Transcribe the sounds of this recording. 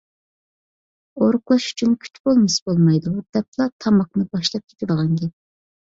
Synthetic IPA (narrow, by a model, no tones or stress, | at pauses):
oɾʊqlˠɑʃy̥t͡ʃʰynkʲʰy̥t͡ʃbolˠmɨsbolˠmɑjd̪ud̪̥ɛp̚lˠɑt̪ʰɑmɑqnɨbɑʃlˠɑp̚kʲʰe̥t̪ʰɪd̪əʁɑŋɡʲɛ